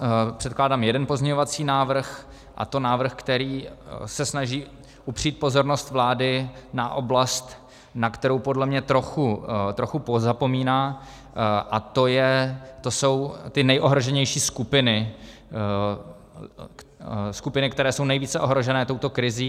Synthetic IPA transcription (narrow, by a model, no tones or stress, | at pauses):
pr̝̥ɛt̪klaːdaːmjɛdɛnpo̞zɲɛɲovat͡siːnaːvr̩x | ʔa̰t̪o̞naːvr̩xkt̪ɛɾiːsɛsnaʒiː | ʔupr̝̥iːt̪̚po̞zo̞ɾno̞st̪vlaːdɪnaʔo̞blast̪ | nakt̪ɛɾo̞wpo̞dlɛmɲɛt̪ɾo̞xut̪ɾo̞xupozapo̞miːnaː | ʔat̪o̞jɛt̪o̞so̞wt̪ɪnɛjʔo̞ɦɾo̞ʒɛɲɛjʃiːskupɪnɪ | skupɪnɪkt̪ɛɾɛːso̞wnɛjviːt͡sɛʔo̞ɦɾo̞ʒɛnɛːt̪o̞wt̪o̞kɾɪziː